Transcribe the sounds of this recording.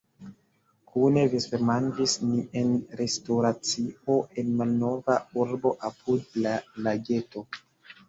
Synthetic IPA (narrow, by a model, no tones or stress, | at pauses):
kʰune̞visemand͡ʒisnie̞nɾe̞stoɾat͡sio̞ʔe̞nmalno̞vauɾbo̞ʔapʰudlalaɡe̞to̞